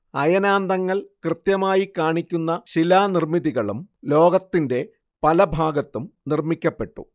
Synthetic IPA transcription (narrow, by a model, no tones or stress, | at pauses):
ɐjɐnaːnd̪ɐŋːɐɭkrɨt̪jɐmaːjikːaːɳikʲːunːɐɕilaːnirmiðiɣɐɭumlo̞ːɡɐt̪ːinde̞ | pɐlɐbʱaːɡɐt̪ːumnirmikʲːɐpːe̞ʈːṵ